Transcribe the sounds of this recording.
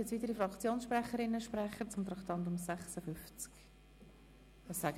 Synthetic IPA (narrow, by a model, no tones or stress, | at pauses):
ɛt͡sviːtəɾifrɑkt͡sjoːnsʃprɛχəɾɪnːəʃprɛχət͡sʊmt̪ɾɑkt̪ɑntʊmsɛχsəfʏft͡sk | vɑsːæɡ